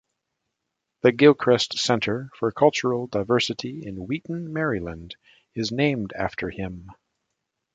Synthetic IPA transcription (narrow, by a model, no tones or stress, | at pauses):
ðɨɡɪlˠkʰɹ̥ɛstsɛ̃ntʰə˞fə˞kʰʌlˠt͡ʃə˞l̩ˠdaɪvɜ˞sɨɾiɪ̃nwiʔn̩mɛɹilˠə̃nd | ɨznẽɪ̃mdæ̰ftʰə˞ɪ̃m